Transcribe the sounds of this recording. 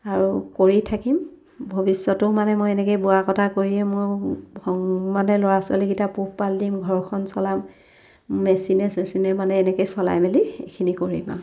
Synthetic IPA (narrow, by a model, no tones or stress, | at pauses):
aɹukoɹitʰakim | bʱobisːɔtʊmanɛmojɛnɛkejbuakɔtʰakoɹiɛmoɹhɔŋmanɛlɔɹasɔlekitapuhpaldimɡʱɔɹkʰɔnsɔlamː | ɛsinɛsmesinɛmanɛːnɛkejsɔla̰jmeliḛkʰinikoɹḭma̰